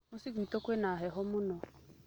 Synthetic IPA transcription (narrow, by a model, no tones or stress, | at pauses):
mʊsikuitokʷenaɦɛɦɔmʊnɔ